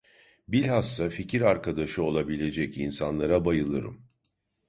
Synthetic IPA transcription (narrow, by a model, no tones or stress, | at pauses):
bilʲhasːaficʰiɾaɾkʰad̪aʃɯo̞lˠabilʲe̞d͡ʒɛcinsanlˠaɾabajɯlˠɯɾɯ̰m